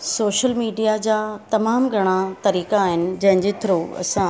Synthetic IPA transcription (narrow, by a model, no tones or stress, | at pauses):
soːʃəlmiːɖijad͡ʑaːt̪ɐmaːmɡʱɐɽ̃at̪ɐɾiːkaːɦɪnɪ̆d͡ʑɐ̃ɦɪ̃ɲd͡ʑet̪ʰɪɾoɐ̰sã